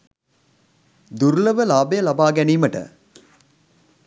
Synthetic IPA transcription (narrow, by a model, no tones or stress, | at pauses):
d̪uɾləʋəlaːbəjəlabaːɡɛniːməʈə̰